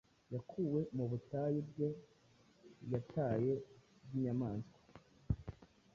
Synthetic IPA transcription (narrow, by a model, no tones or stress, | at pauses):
jakʰuwe̞muβutajibɡe̞ | jataːje̞bɡiɲamaːnskḁ